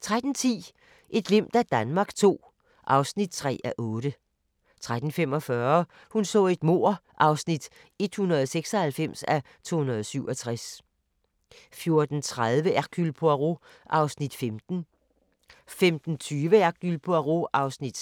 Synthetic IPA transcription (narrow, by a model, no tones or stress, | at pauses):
t͡sʰʁad̥n̩t͡sʰḭː | ʔe̝d̥le̝m̰d̥æd̥ænmɑ̈ːɡ̥t͡sʰo̝̰ː | ʔɑ̈ʊsnid̥̚t͡sʰʁɛ̰ːæʔɔ̽ːɾ̥ə | t͡sʰʁad̥n̩fem̰ɒ̽fɶɐ | hunsɔ̰̽ːe̝d̥mo̝̰ɐ̰ʔɑ̈ʊsnid̥ | e̝d̥hunɐðˠseɡ̥sɒ̽hælfem̰sæ | t͡sʰo̝̰ːhunɐð̞ˠsyʊʔɒ̽t͡sʰʁas | fjo̝ɐd̥n̩t͡sʰʁaðˠʋəæɡ̥ylpʰoæʁo̝ | ʔɑ̈ʊsnid̥femd̥n̩ | femd̥n̩t͡sʰyːʋəæɡ̥ylpʰoæʁo̝ʔɑ̈ʊsnid̥